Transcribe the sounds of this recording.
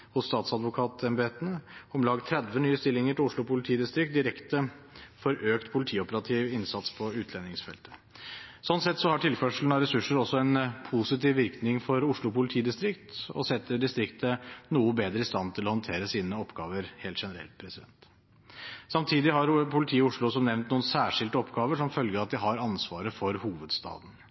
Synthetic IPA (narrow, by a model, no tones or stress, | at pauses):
hʊsːt̪ɑːt̪sɑd̪ʋʊkʰɑːt̪ʰɛmbeːt̪ənəɔmlɑːɡt̪ʰɾɛd̪ʋənyːəst̪ɪlːɪŋəʈɪlʊʂɭʊpʊlɪt̪ʰiːd̪ɪst̪ɾɪk̚t̪̚d̪ɪɾɛkt̪ə | fɔɾʔøːkt̪pʰʊlɪt̪ʰiːɔpəɾɑt̪ʰiːʋɪnsɑt̪spʰɔʉːt̪ʰlɛnːɪŋsfɛ̰lt̪ə̥ | sɔnt̪sɛt̪ːsɔhɑʈʰɪlfœʂl̩n̩ɑɾɛsʉʂːəɾɔsːɔɛnpʰusɪt̪iːʋʋɪɾknɪŋfɔɾʊʂɭʊpʊlɪt̪ʰiːd̪ɪst̪ɾɪkt̪ɔ̰sɛt̪ːəɖɪst̪ɾɪkt̪ənuːəbeːd̪ɾəɪst̪ɑnt̪ʰɪlɔhɔnt̪ʰeːɾəsiːnəɔpːɡɑːʋəɾheːlt̪ʂɛnəɾɛ̰lt̪̚pʰɾɛsɪd̪ɛ̰nt̪ | sɑmt̪ʰiːd̪ɪɦɑɾpʰʊlɪt̪ʰiːʊʂɭʊs̬ɔmnɛʋnt̪nuːənsæːʂɪld̪əɔpɡɑːʋəʂɔmfœlɡəɾɑt̪̚d̪ɪɦɑɾɑnsʋɑːɾəfɔɾhuːʋəd̪st̪ɑ̰ːd̪n̩